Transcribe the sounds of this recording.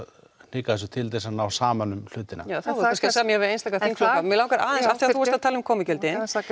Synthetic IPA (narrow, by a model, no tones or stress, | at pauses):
n̥ɪkaðɛsʏt̪ʰɪlt̪̬ɛsanawsaːmanʏml̥ʏːt̪ɪna̰jaːwθauɛnsksamjɛhɛvɪejnst̪akaθiŋkʰflokamɛlaːwŋkaɾaːðɛnsafθiaθuɛst̪aðt̪ʰɛːlʏmkʰɔːmɪcœlt̪ɪn